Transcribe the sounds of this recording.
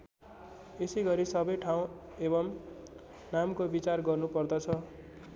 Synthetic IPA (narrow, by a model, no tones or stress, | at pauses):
esejɡʌɾisʌbʌjʈʰaw̃ | ebʌm | namkobit͡sarɡʌrnupʌrd̪ʌt͡sʰʌ